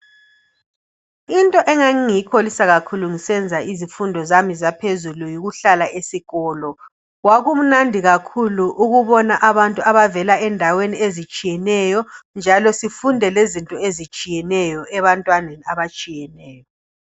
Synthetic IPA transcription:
intʼɔʔɛŋaŋiŋiikʰolisaɣakʰuluŋisɛnd͡zʱaizifundʱɔzamizapʰezulujiɣuɬalaʔesiɣɔːlɔ | waɣum̩nandʱiɣakʰuluʔuɣuβɔnaʔaβantʼuaβavɛlaɛndʱaweniezit͡ʃʼijɛnɛjɔnd͡ʒʱalɔsifundʱɛlezintʼɔezit͡ʃʼijɛnɛjɔʔɛβantʼwaneniaβat͡ʃʼijɛnɛːjɔ

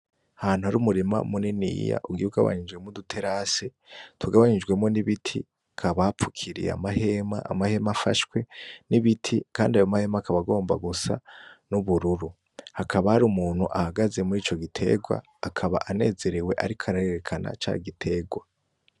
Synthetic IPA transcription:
ahaːn̥uhaɾuːmuɾima̰muninḭja̰ʔuɡiuɡa̰βa̰ɲid͡ʒɡwe̞modutʰe̞ɾase | twuɡaβaɲid͡ʒɡwe̞mo̞niβitʰḭ | kʰaβapp͡fu̥kʰiɾḭj̰a̰maɦe̞ma̰ʔːmahe̞mafaʃkwe̞niβitʰikaːndiajomahe̞makʰaβaɡo̞ːmbaɡusa̰nuβuɾuɾu | hakʰaβahaɾumuːn̥huʔahaɡaze̞muɾiːt͡ʃo̞ɡitʰe̞̰ːɡwa̰ːkʰaβa̰ʔane̞̰ːze̞ɾiwe̞ʔaɾikʰaɾaeɾekʰana̰t͡ʃaːɡitʰe̞ːɡwa

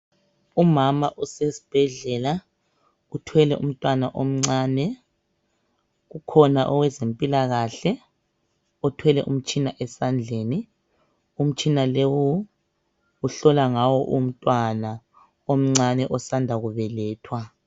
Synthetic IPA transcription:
umamaʔusesi̥b̥ʱɛɮɛla | utʰwɛlɛʔum̩tʼwanaʔom̩ŋ͡ǀaːnɛ | ɣukʰɔnaʔɔwɛzempʼilaɣaɬɛ | ɔtʰwɛlɛ̰ʔum̩t͡ʃʼinaʔɛsand͡ɮʱeːni | um̩t͡ʃʼinalewu | uɬɔlaŋawɔʔum̩tʼwana | om̩ŋ͡ǀanɛʔɔsandʱaɣuβɛlɛːtʰwa

